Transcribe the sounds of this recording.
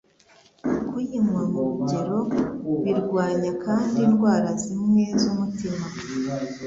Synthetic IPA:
kujimŋamuɾuɟe̞ɾo̞βiɾɡwaːɲakʰaːndinɡwaːɾazimŋwe̞zumutima

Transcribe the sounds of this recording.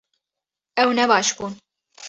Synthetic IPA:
ɛwnɛbɑːʃkun

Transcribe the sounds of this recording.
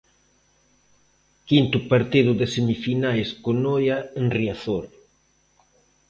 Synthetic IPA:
kint̪ʊpaɾt̪iðʊðesemifinajskonojaenriaθoɾ

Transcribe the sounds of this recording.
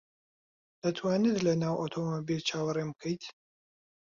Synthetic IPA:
d̪̥ɐt̪ʰwaːnɨd̪lɐnaːwot̪ʰomobilt͡ʃʰaːwɐɾemkʰəjt̪

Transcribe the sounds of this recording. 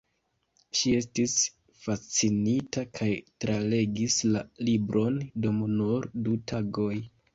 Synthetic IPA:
ʃie̞stis | fat͡sinitakʰajtɾale̞ɡislalibɾʔo̞ndomnuɾdutʰaɡo̞j

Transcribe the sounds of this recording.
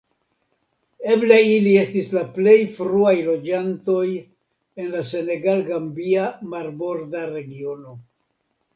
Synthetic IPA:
e̞bleilie̞stislaple̞jfɾuajlo̞d͡ʒanto̞j | e̞nlase̞ne̞ɡalɡambiamaɾbo̞ɾdaɾe̞ɡio̞no̞

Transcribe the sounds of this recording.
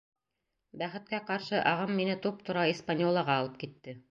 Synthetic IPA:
bæχɘ̆t̪̚kæqɑɾʃɤʔɑʁɤmːinɘt̪up̚t̪ŏɾɑispanʲolˠɑʁɑːlˠɤp̚kit̪ːɘ

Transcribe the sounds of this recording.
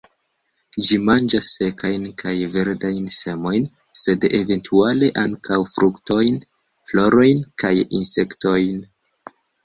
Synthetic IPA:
d͡ʒimand͡ʒasːe̞kajnkʰajve̞ɾdajnse̞mo̞jn | se̞de̞ve̞ntʰuale̞ʔaŋkawfɾukto̞jn | flo̞ɾo̞jnkajḭnse̞kto̞jn

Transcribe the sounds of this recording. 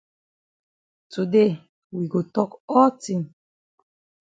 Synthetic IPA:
tude | wiɡotɔkɔltĩm

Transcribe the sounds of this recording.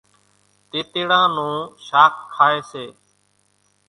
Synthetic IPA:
t̪eːt̪eːɽãːnũːʃaːkkʰːaːeːseː

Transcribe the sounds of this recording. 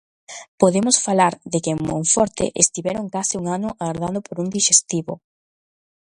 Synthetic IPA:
poðemʊsfalaɾðɪkeŋmo̰ŋfɔɾt̪ɪ̰ʔḛst̪iβɛɾoŋkasɪuŋanʊʔaɣaɾðand̪ʊpoɾuŋd̪iʃest̪iβo

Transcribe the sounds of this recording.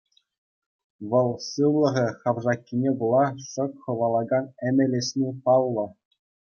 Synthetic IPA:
ʋɤ̆lˠsɯʋlˠɤ̆ʁʲɘ̆χɑʋʐɑkʲːinʲebŭlˠɑʂɤ̆kχɤ̆ʋɑlˠɑɡɑnɘ̆mʲɘ̆lʲɘ̆sʲnʲepɑlˠːɤ̆

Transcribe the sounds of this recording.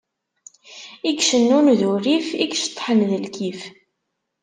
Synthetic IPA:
ikʃənːunðuɾifikʃt̪ˤːħənðəlkif

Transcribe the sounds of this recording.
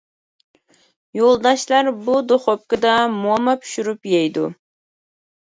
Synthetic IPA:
jolˠd̪ɑʃlˠɑɾbud̪oχop̚kɨd̪ɑmuɑmɑpʰy̥ʃyɾypjɛjd̪ṵ

